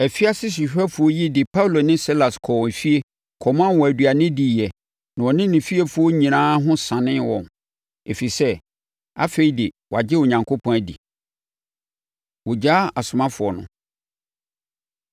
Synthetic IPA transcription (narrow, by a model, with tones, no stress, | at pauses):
æ˨fi˦a˦sɪ˦s̬i˨ɕᶣa˦fʊ˨ɔ˦ji˦dɪ˨pʰa˦u˦lo˨nɪ̃˦si˦la˨skʰɔ˨wfi˦e˦ | kʰɔ˨mã˦n˦wɔ˨æ˨dɥa˨nɪ̃˦di˨ɛ˨ | nã˨ɔ˨nɪ̃˦nɪ̃˨fi˦e˦fʊ˨˦ɔ˦ɲĩ˨nãː˦ɦʊ̃˦sã˨nɪ̃˦nwɔ̃˨n | e˨fi˨sɛ˦ | a̰˦fe˨i˨˦dɪ˨wɔ˨a˨d͡ʑɪ˦o˨ɲã˨ŋkʰo˦pʰɔ̃˦æ˨dḭ˨ | wɔ˨d͡ʑa˦a˨sʊ˨mã˦fʊ˨ɔ˨nʊ̰̃˨